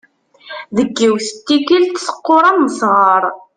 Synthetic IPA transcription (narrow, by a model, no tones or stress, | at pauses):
ðəɡːiwθə̥t̪ːiɡilt̪sə̥qːʊɾˤamːəsʁəɾˤ